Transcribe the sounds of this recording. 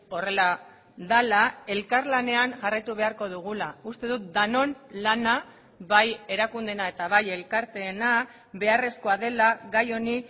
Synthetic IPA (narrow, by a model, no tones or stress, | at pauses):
o̞re̞la | ðalae̞lkaɾlane̞anʝarajt̪uβ̞e̞aɾko̞ðuɣ̞ulaust̪e̞ðut̪̚d̪ano̞nlana | βaje̞ɾakund̪e̞nae̞t̪aβaje̞lkaɾt̪e̞ːna | βe̞are̞sko̞aðe̞laɣajo̞ni